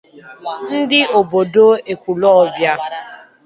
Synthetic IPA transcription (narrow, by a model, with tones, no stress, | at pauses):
n̩˦dɪ˦o˨bo˨do˦e˨kʷu˨lɔ˦bja˦